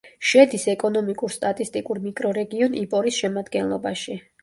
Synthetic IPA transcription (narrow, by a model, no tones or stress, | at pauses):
ʃɛd̪isɛkʼɔnɔmikʼuɾst̪ʼat̪ʼist̪ʼikʼuɾmikʼɾɔɾɛɡiɔnʔipʼɔɾisʃɛmad̪ɡɛnlˠɔbaʃi